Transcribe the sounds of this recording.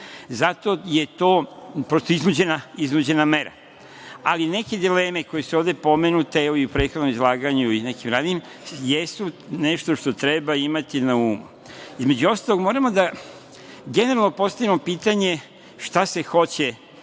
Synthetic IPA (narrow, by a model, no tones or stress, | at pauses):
zat̪o̞je̞t̪o̞ːpɾo̞st̪oiznud͡ʑe̞naiznud͡ʑe̞name̞ɾa̰ | aline̞ke̞d̪ile̞ːme̞ko̞jesuoʋd̪e̞po̞me̞nut̪eeoiupɾeːt̪xod̪nomizlˠaːɡaɲuine̞kimɾaːd̪im | jesune̞ʃt̪o̞ʃt̪o̞t̪ɾe̞baimat̪inauːmṵ | izme̞d͡ʑuo̞st̪alˠoɡmoɾamo̞d̪a | ɡe̞ne̞ɾalnopo̞st̪aʋimo̞piːt̪aɲe̞ | ʃt̪ase̞xo̞t͡ɕe̞